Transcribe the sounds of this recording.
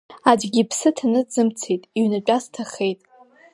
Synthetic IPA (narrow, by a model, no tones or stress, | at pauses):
ad͡ʒɡʲipʰsɨtʰanɨd͡zɨmt͡sʰejtʼiɥnat͡ʃʷʼastʰaχejtʼ